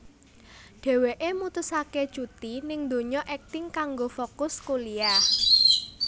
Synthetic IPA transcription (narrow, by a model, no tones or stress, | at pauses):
ɖ̥e̤weʔemut̪ʊsake̥t͡ʃut̪inɪŋd̪o̤ɲɔʔɛk̚t̪ɪŋkaŋɡofokʊskolia